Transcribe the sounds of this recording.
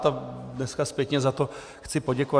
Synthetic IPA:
t̪adnɛskaspjɛkɲɛzat̪o | xt͡sɪpoɟɛkova

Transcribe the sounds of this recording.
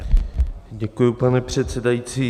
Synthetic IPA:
ɟɛkujupanɛpr̝̥ɛt̪sɛdajit͡siː

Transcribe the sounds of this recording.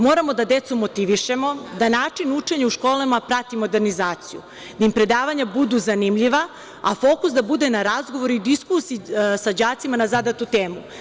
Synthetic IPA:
mo̞ːɾamo̞d̪ad̪e̞t̪sumo̞t̪iʋiʃe̞mo̞d̪anaːt͡ʃinut͡ʃe̞ɲauʃko̞ːlamapɾat̪imo̞d̪e̞ɾnizaːt̪sijṵ | d̪aimpɾe̞d̪aːʋaɲabud̪uzanimʎiʋa | a̰fo̞kusd̪abud̪e̞naɾazɡoʋoɾuid̪iskusisad͡ʑaːt̪simanazad̪at̪ut̪e̞ːmu

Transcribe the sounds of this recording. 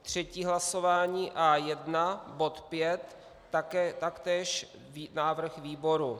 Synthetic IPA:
t̪r̝̥ɛciːɦlaso̞vaːɲiːʔajɛdnabo̞t̪pjɛt̪ | akt̪akt̪ɛːʃ | naːvr̩xviːboɾu

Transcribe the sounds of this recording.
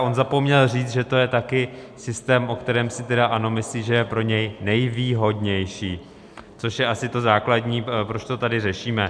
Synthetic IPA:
ʔo̞nzapomɲɛlriːt͡s̪ʒɛt̪o̞jɛt̪akɪsɪst̪ɛːmʔo̞kt̪ɛɾɛːmsɪt̪ɛdaʔano̞mɪsliːʒɛjɛpɾo̞ɲɛjnɛjviːɦo̞dɲɛjʃiː | t͡so̞ʃjɛʔasɪt̪o̞zaːkladɲiːpɾot͡ʃt̪o̞t̪adɪrɛʃiːmɛ

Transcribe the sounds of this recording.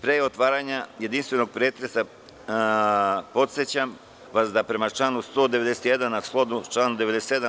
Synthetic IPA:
pɾeːo̞t̪ʋaːɾaɲaje̞d̪inst̪ʋe̞no̞ɡ̚pɾeːt̪ɾesa | po̞t̪set͡ɕam | ʋasd̪apɾe̞mat͡ʃlˠaːnust̪o̞ːd̪eʋe̞d̪eset̪jed̪anːasklˠo̞d̪ut͡ʃlaːnud̪eed̪ese̥t̪ːed̪a

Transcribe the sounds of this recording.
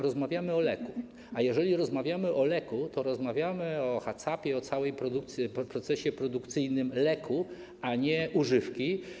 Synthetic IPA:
ɾɔzmavʲjamɘɔlɛku | ajɛʐɛlʲiɾɔzmavʲjamɘʔɔlɛkut̪ɔɾɔzmavʲjamɘɔxat̪sapʲjɛɔt̪sawɛjpɾɔd̪ukt̪sʲpɾɔt̪sɛɕɛpɾɔd̪ukt̪sɘjnɘmlɛkʰu | aɲɛuʐɘfkʲi

